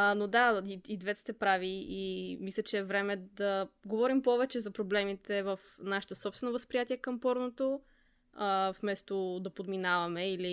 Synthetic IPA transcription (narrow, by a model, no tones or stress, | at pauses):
nod̪aiid̪vɛt̪st̪ɛpɾaviimislʲət͡ʃɛːvɾɛmɛd̪ɐɡovɔɾimpɔvɛt͡ʃɛzɐpɾoblɛmit̪ɛvəfnaʃi̥t̪osɔpst̪vɛnovəspɾijat̪iɛkəmpɔɾnot̪o | əfmɛst̪od̪ɐpod̪minavɐmɛili